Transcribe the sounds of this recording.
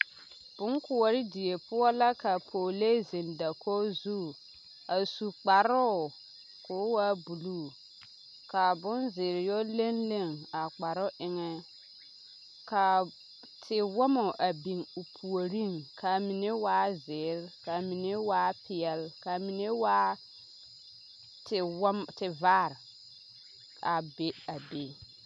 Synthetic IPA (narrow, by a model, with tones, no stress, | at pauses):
b̥ʊ˦ŋkʰʊ˨ɔ˨ɾɪ˦di˨je˨pʊ˦ɔ˦la˦ka˨pʰoː˨le˦zɪ˨nda˨kʰo˦zu˦ | a˨su˨k͡pa˨ɾʊ˦˨ | kʊː˨˦waː˦bu˨lu˦˨ | ka˨bʊ˦nzɪː˨ɾɪ˨jɔ˦le˦nle˦˨ŋa˨k͡pa˨ɾʊ˦ʔɪ˨ŋɛ˦ | ka˨ | tʰɪ˨wɔ˦mɔ˨ʔa˨bi˨ŋu˨pʰu˨o˨ɾi˦˨ŋkʰa˨mi˨ne˦waː˦zɪː˨˦ɾka˨mi˨ne˦waː˦pɪ˨jɛ˨lka˨mi˨ne˦waː˦ | tɪ˨wmtɪ˨vaː˦˨ɾ | a˨be˦a˨be˨˦